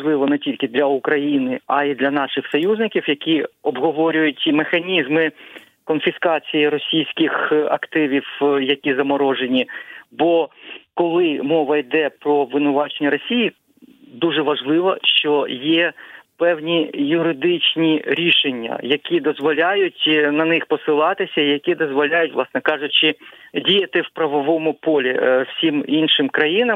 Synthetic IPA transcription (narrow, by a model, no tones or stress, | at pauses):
ʒlˠɪʋɔnɛtʲilʲkɪd̪lʲɐukɾɐjinɪɐid̪lʲɐnɑʃɪxsɔjuznɪkʲiwjɐkʲiɔbɦɔʋɔɾʲʊjʊtʲimexɐnʲizmɪ | kɔnfʲɪskɑt͡sʲijiɾɔsʲijsʲkɪxɐ̰kt̪ɪʋʲiwjɐkʲizɐmɔɾɔʒenʲibɔkɔlˠɪmɔʋɐjid̪ɛpɾɔʋɪnʊʋɑt͡ʃenʲːɐɾɔsʲiji | d̪uʐɛʋɐʒlˠɪʋɐʃt͡ʃɔjɛpɛwnʲijʊɾɪd̪ɪt͡ʃnʲiɾʲiʃenʲːɐ̰jɐkʲid̪ɔzʋɔlʲajʊtʲnɐnɪxpɔsɪlˠɑt̪ɪsʲɐijɐkʲid̪ɔzʋɔlʲajʊtʲʋlˠɑsnɛkɑʒʊt͡ʃɪdʲijɐt̪ɪwpɾɐʋɔʋɔmʊpɔlʲiw̥sʲiminʃɪmkɾɐjinɐm